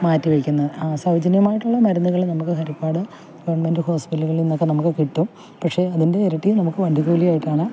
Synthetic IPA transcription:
maːtːiʋɐkʲːunːɐɨsɐʋɐd͡ʑɐnjɐmaːjiʈːuɭːɐmɐɾɐnːuɣɐɭnɐmukːɨhɐɾipːaːɽɨ | ɡɐʋɐɳmendɨho̞ːspitɐluɣɐɭinːo̞kːe̞nɐmukːɨkiʈːum | pɐkʂe̞ɐðinde̞ːɾɐʈːijnɐmukːɨʋɐɳɖʱiɣuːlijaːjiʈːaːɳɨ

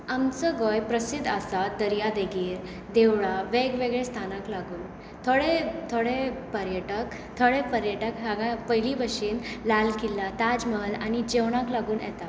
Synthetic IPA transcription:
amt͡səɡojpɾəsid̪ʱːasad̪əɾjad̪eɡiːɾ | d̪eʋɭaʋeɡʋeɡɭẽst̪ʰanaklaɡuːn | t̪ʰoɽet̪ʰoɽepəɾjəʈək | t̪ʰoɭepəɾjəʈəkɦaɡãpəjlibəʂiːnlalkilːat̪ad͡zməlañid͡ʑeʋɽ̃ãklaɡuːnɛ̰t̪a

